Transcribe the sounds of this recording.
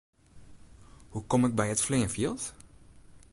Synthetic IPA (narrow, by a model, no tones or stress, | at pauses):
hukɔmɛk̚bɛjətfliənfilˠt